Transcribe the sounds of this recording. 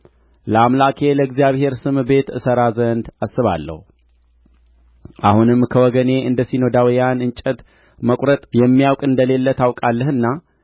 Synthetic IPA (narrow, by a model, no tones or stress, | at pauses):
ləamlakʰe̞ləɡzijaβhe̞ɾsɨmbe̞t̪ɨsəɾazənd̪asːɨβa̰lːə̰hu | ʔahunɨmːkʰəwɔɡəneʔɨnd̪əsino̞d̪awjanɨnt͡ʃʼət̪ | məkʷʼɾət̪ʼjɛmːijawkʼɨnd̪əle̞lːət̪awkʼalːəhɨnːa